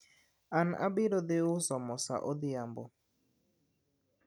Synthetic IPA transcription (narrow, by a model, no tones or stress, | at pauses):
ana̰bɪɾɔðɪʊsɔmɔsa̰ʔɔðɪambo